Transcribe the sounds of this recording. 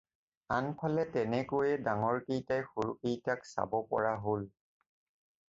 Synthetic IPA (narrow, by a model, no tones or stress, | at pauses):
anpʰalɛtɛnɛkojɛdaŋɔɹkejtajxoɹukijtaksa̰bɔpɔ̰ɹaɦol